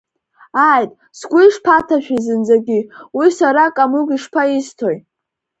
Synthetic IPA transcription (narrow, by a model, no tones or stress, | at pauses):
ajtʼ | sɡʷʊiʂpʰatʰaʃᶣazɨnd͡zaɡʲiwisaɾakʼamuɡiʂpʰaistʰoj